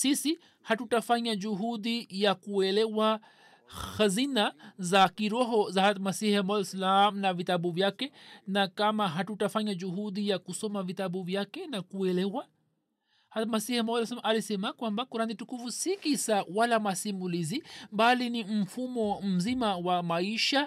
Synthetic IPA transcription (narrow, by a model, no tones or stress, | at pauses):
sisi | hatutafaɲaʄuɦuɗijakuɛlɛwa | hazinazakiɾɔɦɔzahamasihmɔɛsalam̩navitaɓuvjakɛnakamaɦatutafaɲaʄuɦuɗijakusɔmavitaɓuvjakɛnakuɛlɛwa | hamasihamɔsalamʔalisɛmakwambakuɾanitukufusikisawalamasimulizibalinim̩fumɔm̩zimawamaiʃa